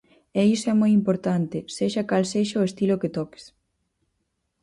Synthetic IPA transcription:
ɛisoɛmojimpoɾt̪ant̪ɪseʃɐkalseʃɐʊest̪iloket̪ɔke̥s

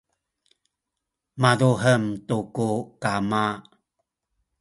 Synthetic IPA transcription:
maðuɦəmtukukama

